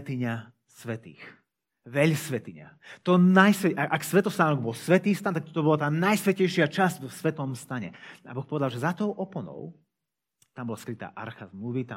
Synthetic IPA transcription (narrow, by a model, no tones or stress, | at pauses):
t̪iɲa | sʋɛt̪ḭːx | ʋɛʎsʋɛt̪iɲa̰t̪ɔnajsʋɛaʔaksʋɛt̪ɔst̪aːnɔɡ̚bɔlsʋɛt̪iːst̪ant̪ak̚t̪ɔ̥t̪ɔbɔlat̪aːnajsʋɛcɛjʃɪat͡ʃazɟvɔsʋɛt̪ɔmst̪aɲɛ̰a̰bɔxpɔʋɛd̪alʒɛzat̪ɔʊʔɔpɔnɔ̰ʊ | t̪ambɔlaskɾit̪a̰ːʔa̰ɾxazmluːʋit̪a